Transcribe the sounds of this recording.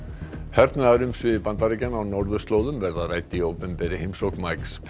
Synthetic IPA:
hɛɾt̪nʏaðɾʏmsvɪpant̪aɾɪcanawnɔɾðʏst̪loːwðʏmvɛɾðaðraːjt̪ɪiowpɛnpɛɾɪhejmsowkmajks

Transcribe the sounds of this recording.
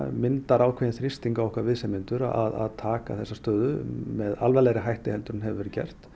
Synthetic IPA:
mɪnt̪aɾaːwkʰvɛjɪnθɾɪst̪iŋkawɛhkvaɾvɪðsɛmɪnt̪ʏɾa̰a̰ða̰ðt̪ʰaːka̰θɛsːast̪œːðʏmɛðalvɛlɛɾɪɦajht̪ɪhɛlt̪ʏɾʏnɦɛvɪvɛɾcɛ̰r̥t̪

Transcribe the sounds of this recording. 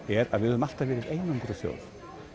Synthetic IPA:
ɛɾa̰ðvɪðʏðʏmal̥t̪avɛːɾɪðejnampuɾasjo̰wð

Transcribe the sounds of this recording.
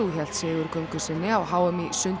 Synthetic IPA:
uçɛl̥t̪sɪːɣʏɾkʰœŋkʏsɪnːɪawɦaːwɛmisʏnt̪

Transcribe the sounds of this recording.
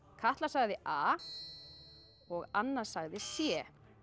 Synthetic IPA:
kʰaht̪lasaɣðɪʔaː | ɔɣanːḁsaɣðɪsjɛː

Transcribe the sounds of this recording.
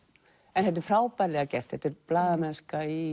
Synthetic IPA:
ɛnθɛht̪̬ɪɾ̥fɾaːwpajɾlɛɣacɛr̥t̪θhɛht̪ɪɾplaːðamɛnskai

